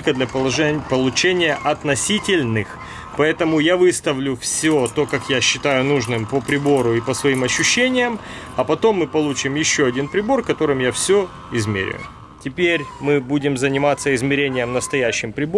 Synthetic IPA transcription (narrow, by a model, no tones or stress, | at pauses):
lʲkəd̪lʲɐpˠpəlˠʊt͡ɕenʲɪjəʔɐt̪nɐsʲitʲɪlʲnɨx | pɐɛt̪əmʊjavɨst̪əvlʲʊfsʲot̪o̞kakjaɕːɪt̪ajʊnuʐnɨmpəpɾʲɪbo̞ɾʊipəsvɐimɐɕːʉɕːenʲɪjəm | ɐpɐt̪o̞mːɨpɐlˠut͡ɕɪmjɪɕːo̞ɐdʲinpɾʲɪbo̞rkɐt̪o̞ɾɨmjafsʲo | ɪzmʲḛɾʲɪ̰jʊ̰ | tʲɪpʲeɾʲmɨbudʲɪmzənʲɪmat̪səɪzmʲɪɾʲenʲɪjəmnəst̪ɐjæɕːɪmpɾʲɪbo